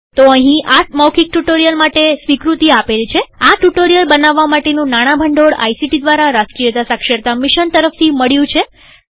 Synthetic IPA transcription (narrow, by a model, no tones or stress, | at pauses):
t̪oəɦĩʔamawkʰik̚ʈuʈoɾijəlmaʈesʋikɾut̪iapelt͡ʃʰeaʈuʈoɾijəlbənaʋːamaʈenũnaɽ̃abʱəɳɖoɽa̰jsiʈid̪ʋaɾaɾaskɾijət̪asakʃəɾt̪amɪʃənt̪əɾəft̪ʰiməɭjũt͡ʃʰe